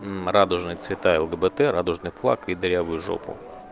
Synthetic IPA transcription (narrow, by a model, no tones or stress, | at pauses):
rad̪ʊʐnɨjt̪svʲɪt̪aɛlˠɡəbət̪ɛɾad̪ʊʐnɨjflˠa̰kid̪ɾʲavʊjʊʐo̰pʊ̰